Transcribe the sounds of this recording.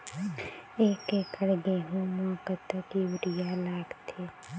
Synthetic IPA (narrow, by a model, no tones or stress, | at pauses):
eːkekəɽɡeɦũmɔ̃ːkət̪əkiʋɾɪjalaːɡt̪ʰeː